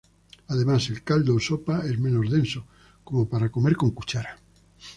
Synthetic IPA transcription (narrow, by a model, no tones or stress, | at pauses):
aðemaselkald̪oːsopaezmẽnozðẽnso | komopaɾakomeɾkoŋkut͡ʃaɾa